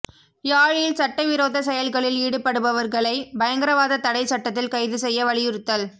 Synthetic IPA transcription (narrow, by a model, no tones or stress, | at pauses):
jaːɻjɪlsɐʈːɐʋɪɾoːðɐsɛjɐlɣɐɭɪliːɽɯpːɐɽɯbɐʋɐɾɣɐɭɐɪbɐjɐŋɡɪɾɐʋaːðɐt̪ɐɽɐɪsɐʈːɐt̪ːɪlkɐɪðɯsɛjːɐʋɐɭɪjɪɾɯt̪ːɐl